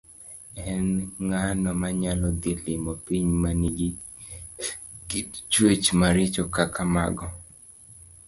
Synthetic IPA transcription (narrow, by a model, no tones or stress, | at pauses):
ɛnŋanɔmaɲalɔd̪ɪlɪmɔpiɲmaniɡi | kɪtt͡ʃwet͡ʃmaɾɪt͡ʃɔkakʰama̰ɡɔ